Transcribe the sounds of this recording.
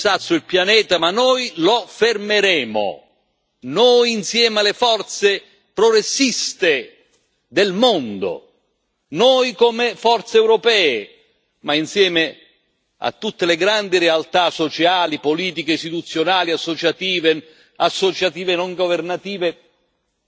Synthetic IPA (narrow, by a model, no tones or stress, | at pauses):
sat̪sːuilpjanɛːt̪amanojlofermeɾɛːmo̰ | noːjinsjɛːmealefɔrt̪se | pɾɔɡɾesːist̪e | d̪elmond̪o̰ | noːjkomefɔrt̪seɛwɾɔpɛːe | mainsjɛːme | a̰t̪ːut̪ːeleɡɾand̪iɾealt̪asot͡ʃaːlipoliːt̪̬ik̟eist̪it̪ut̪sːjonaːliasːot͡ʃat̪iːve | asːot͡ʃat̪iːvenoŋɡovernat̪iːve